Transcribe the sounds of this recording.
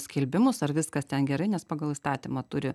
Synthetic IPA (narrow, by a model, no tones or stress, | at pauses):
sʲkʲɪlʲbʲɪmʊsɐɾʋʲɪskɐst̪ʲɛnɡʲɛɾɐɪnʲɛspɑːɡɐlˠist̪ɑːt̪ʲimɐt̪ʊɾʲɪ